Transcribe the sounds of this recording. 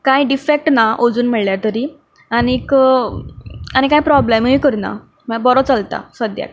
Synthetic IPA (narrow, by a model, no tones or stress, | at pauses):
kajɖifek̚ʈnaʔod͡zuːnm̤əɭljat̪əɾiː | anik | añikajpɾɔblemɦikəɾna̰ | məbɔɾɔt͡səlt̪a̰səd̪ja̰k̚